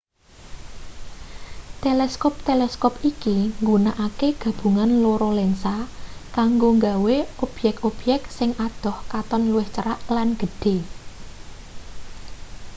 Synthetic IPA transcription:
t̪elɛskɔp̚t̪elɛskɔpikiŋɡunaʔakeɡ̥ä̤b̥ṳŋanloɾɔlɛnsakaŋɡoŋɡaweɔb̥jɛk̚ɔb̥jɛk̚tsɪŋad̪̥ɔ̤hkat̪ɔnluwɪht͡ʃəɾaʔlanɡ̥ə̤ɖ̥e̤

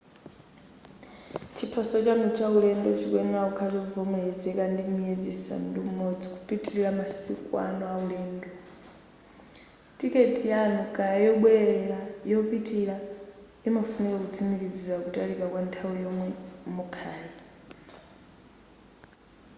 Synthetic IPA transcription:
t͡ʃʰipʰasɔt͡ʃʼamut͡ʃʰaulɛndɔt͡ʃʰikwɛŋaukʰalɛuvɔmɛɺɛd͡zɛkandimied͡zisa̰ndumumod͡zikupʼitʼiɺiɺamasikʼua̰nɔauɺɛːndɔ | tʼikʼetʼijanukʼajajɔɓwɛɛɺajɔupʼitʼiɺa | imafunɛkakut͡sʰimiɾid͡zizwakutʼaɾikʼakwantʰawijɔmwɛmukʰaːjɛ

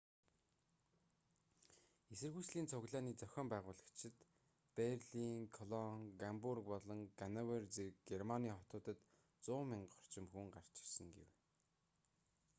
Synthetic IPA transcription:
esɘ̆rɣujsɮiːnt͡sʰʊɣɮaːniːt͡sœxʲɔːmpæːʁʊːɮə̆kt͡ɕʰɪ̆t̪ | perɮiŋkʰɔɮɔŋɡampurk̚pɔɮɞ̆ŋɡanawert͡serkɡermaniːχɔt̪ʊːt̪ə̆t̪ | t͡sʊːmɪɴɢχɔ̥r̥t͡ɕɪ̆mxuŋɢar̥t͡ɕɪ̥̆rsə̆ŋɡḛw

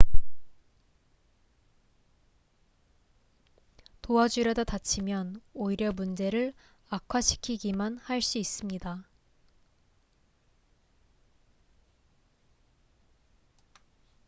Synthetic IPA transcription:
toad͡ʑuɾʌdatat͡ɕʰimjʌnoiɾjʌmund͡ʑe̞ɾɯɭ | akʰwaɕʰi̥kʰiɡimanhaɭs͈uis͈ɯmɲida

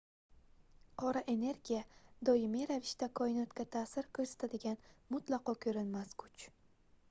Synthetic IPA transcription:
qʰɒɾaʔe̞ne̞ɾɡʲijad̪ɒjɪmiɾavɪʃt̪akʰɒɪnɒt̪kʲat̪ʰasɪɾkʲʰɵɾsḁt̪ʰad̪ɪɡʲanmʊt̪lˠɑqɒkʲʰɵɾɪnmaskʰʊt͡ʃ

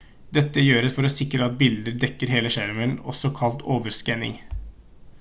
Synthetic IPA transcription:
d̪ɛt̪ːəjøːɾəsfɔɾɔsɪkɾəɑt̪̚bɪld̪əɾɖ̪ɛkːəɾɦeːləʂæɾʋənɔ̰sɔkʰɑlt̪oːʋəɾskɛnɪ̰ŋ

